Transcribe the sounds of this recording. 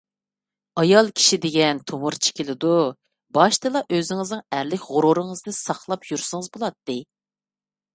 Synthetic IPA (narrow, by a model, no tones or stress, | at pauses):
ɑjɑlˠkʲʰi̥ʃid̪ɪɡʲɛnt̪ʰomuɾt͡ʃʰe̥kʲilɪd̪u | bɑʃt̪ɨlˠɑʔøzɪŋɨznɨŋæɾlɪkʲʁʊɾuɾɨŋɨznɨsɑχlˠɑpjyɾsɨŋɨzbolˠɑt̪ːɨ